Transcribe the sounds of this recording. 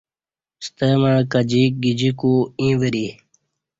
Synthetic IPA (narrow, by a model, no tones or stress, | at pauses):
st̪əmãːkəd͡ʑiːk̚ɡid͡ʑikuːĩːʋəɾi